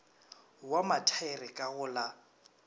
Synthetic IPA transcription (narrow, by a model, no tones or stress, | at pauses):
wamatʰaɪrɪkʼaɣʊla